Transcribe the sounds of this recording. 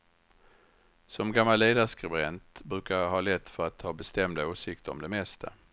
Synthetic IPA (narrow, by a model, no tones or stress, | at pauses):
sɔmɡamːalːeːd̪aʂkɾɪbɾɛnt̪bɾʉ̟ːkaɦɑːlɛt̪ːfœɾat̪ʰhɑːbɛst̪ɛmd̪aoːsɪkt̪əɾɔ̰md̪ɛmɛst̪ʰa̰